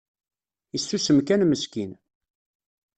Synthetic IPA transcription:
isːusəmkænməskin

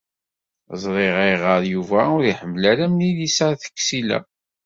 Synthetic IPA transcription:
zˤɾˤeʁiʁəɾˤjuvæʊɾiħəmːlæɾæmnilisəɾθə̥kːsilæ̰

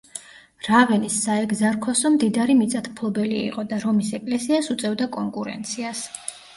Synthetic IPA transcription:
ɾavɛnisːaɛɡzaɾkʰɔsɔmd̪id̪aɾimit̪sʼat̪ʰpʰlˠɔbɛlḭːqʼɔd̪aɾɔmisɛkʼlɛsiasut̪sʼɛvd̪akʼɔŋkʼuɾɛ̰nt̪sʰias

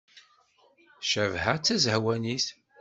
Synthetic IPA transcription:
ʃəvhæt͡sːæzəhwæniθ

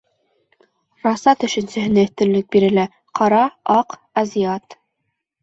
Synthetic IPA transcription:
rɑsɑt̪ɵ̆ʃɘ̆nsɘ̆ɦɘ̆næɘ̆θt̪ɘ̆llːɘk̚biɾɘ̆læ | qʰɑɾɑɑq | ɐzʲijɑt̪

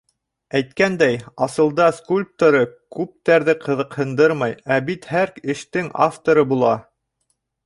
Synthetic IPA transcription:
æjt̪kænd̪æjɑsɤ̆lˠd̪ɑskulʲp̚t̪oɾɤkʉp̚t̪æɾðɘqʰɤ̆ðɤ̆qhɤ̆nd̪ɤɾmɑjæbit̪hæɾkɘ̆ʃt̪ɘŋa̰ft̪oɾɤbulˠɑ

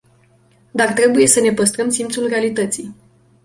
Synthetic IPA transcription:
d̪art̪ɾe̞buje̞səne̞pəst̪ɾəmsimpt̪sulre̞alit̪ət̪sij

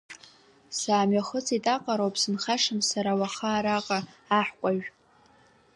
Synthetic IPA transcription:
saːmɥaχət͡sʰitʼaqʼaɾowpʰʼsɨnχaʂɨmsaɾawaχaːɾaqʼaːħkʷʼaʒʷᶣ

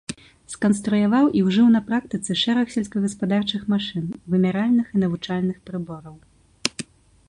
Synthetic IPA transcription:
skɐnst̪ɾujavawʔiwʐɨwnɐpɾak̚t̪ɨt̪sɨʂɛɾɐxsʲɛlʲskɐɣɐspad̪art͡ʂɨxmaʂɨnvɨmʲaɾalʲnɨxinɐvut͡ʂalʲnɨxpɾɨbɔɾɐw

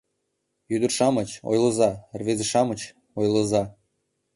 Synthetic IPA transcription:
jyd̪ərʃɑmət͡ɕo̰jlɤ̆zɑrβezə̆ʃɑmət͡ɕ | ojlə̆zɑ

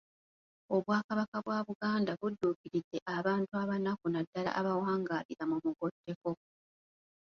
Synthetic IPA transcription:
o̞βwaːkaβakaβwaːβuɡaːndaβudːuːkiɾidːe̞ʔaβaːntuaβanakunadːala̰ʔːβawaːŋɡaːliɾamumuɡo̞tːe̞ko̞

